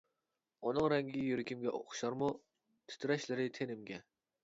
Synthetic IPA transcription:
unɨŋɾɛŋɡʲijyɾɪkʲʰimɡʲɛʔo̰χʊ̥ʃɑɾmu | t̪ʰy̥t̪ʰɾɛʃlɪɾɪt̪ʰenɪmɡʲɛ

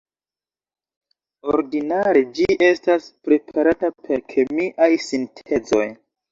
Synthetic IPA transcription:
oɾdinaɾe̞d͡ʒiʔe̞staspɾe̞pʰaɾatapʰe̞ɾkʰe̞miʔajsintʰe̞zo̞̰j

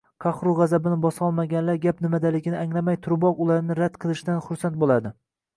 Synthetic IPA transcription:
qʰɑχɾʊʁɑzabɪnɪbɒsɒlˠmaɡʲanlaɾɡʲapnɪmad̪alɪɡʲɪnɪaŋlamajt̪ʰʊɾbɒqʊlˠaɾnɪɾad̪̥qʰɨlˠɪʃd̪anχʊɾsant̪̚bolˠad̪ɪ

